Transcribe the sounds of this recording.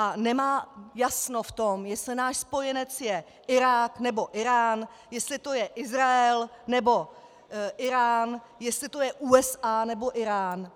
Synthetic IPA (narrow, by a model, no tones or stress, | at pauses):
ʔanɛmaːjasno̞ft̪o̞mjɛslɪnaːʃspo̞jɛnɛt͡sjɛ | ʔɪɾaːknɛbo̞ʔɪɾaːn | jɛst̪lɪt̪o̞jɛʔɪzɾaɛlnɛbo̞ | ʔɪɾaːn | jɛst̪lɪt̪o̞jɛʔuːɛsaːnɛbo̞ʔɪɾaːn